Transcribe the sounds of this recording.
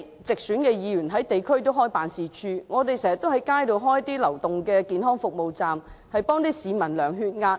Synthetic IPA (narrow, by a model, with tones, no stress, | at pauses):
t͡sɪ˨k̚syː˨˥nkɛː˧jiː˨˧jyː˨˩nɦɐ˨˥jt̪e˨jkʰɵ˥ɥt̪o˥wɦɔː˥jpaː˨nsiː˨˧t͡ʃʰyː˧ŋɔː˨˧t̪e˨jsɛː˨˩ŋsɐ˨t̪o˥hɐ˨˥jkaː˥jt̪o˨wɦɔː˥jt̪iː˥lɐ˨˩wt̪ʊ˨ŋkɛː˧kiː˨nɦɔː˥ŋfʊ˨k̚mo˨wt͡saː˨mhɐ˨jpɔː˥ŋt̪iː˥siː˨˧mɐ˨˩nlœː˨˩ŋɦyː˧t̚ŋaː˧t̚